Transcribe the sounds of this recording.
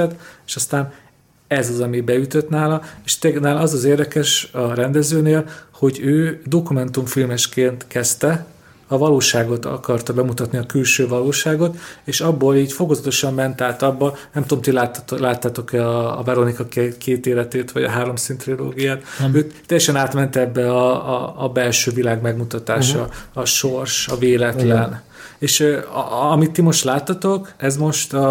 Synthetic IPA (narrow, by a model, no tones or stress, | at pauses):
ɛt̪eʃɒst̪aːn | ɛzɒzɒmibɛjyt̪øt̪naːlɒeːʃt̪eɡnaːlɒzɒzeːrd̪ɛkɛʃɒɾɛnd̪ɛzøːneːlho̞ɟøːd̪o̞kumɛnt̪umfilmɛʃkeːnt̪kɛst̪ɛ | ɒvɒloːʃaːɡo̞t̪ɒ̰kɒrt̪ɒbɛmut̪ɒt̪niɒkylʃøːvɒloːʃaːɡo̞t̪eːʃɒbːoːliːɟfo̞kozɒt̪o̞ʃɒmːɛnt̪aːt̪ɒbːɒnɛmt̪uoomt̪ilat̪ːlaːt̪ːaːt̪o̞kɛɒ̰ːvɛɾonikɒkkʰeːt̪eːlɛt̪eːt̪ʋɒɟɒɦaːɾo̞msint̪rilo̰ːɡijaːt̪øːt̪ːɛjːɛʃɛnaːt̪mɛnt̪ɛbːɛɒ̰ːbɛlʃøːvilaːɡmɛɡmut̪ɒt̪aːʃɒːʃorʃɒveːlɛt̪lɛn | eːʃ | ɒmit̪ːimo̞ʃt̪laːt̪ːɒt̪o̞kɛzmo̞ʃt̪ɒ